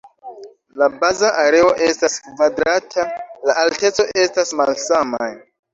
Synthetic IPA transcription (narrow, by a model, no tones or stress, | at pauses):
labazaʔaɾe̞o̞ʔe̞staskvadɾatʰalaʔalte̞t͡so̞ʔe̞stasmalsamaj